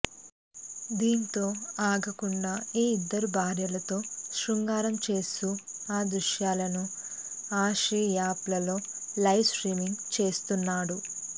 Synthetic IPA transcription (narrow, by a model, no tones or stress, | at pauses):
d̪iːnt̪o̞ːaːɡɐkuɳɖaːiːid̪ːɐɾubʱaːɾjɐlɐt̪o̞ːʃɾuŋɡaːɾɐmt͡ʃe̞ːst̪uaːd̪ɾuʃjaːlɐnu | aːʃijaːplɐlo̞ːlɐjʋsʈɾiːmiŋɡt͡ʃe̞ːst̪unːaːɽu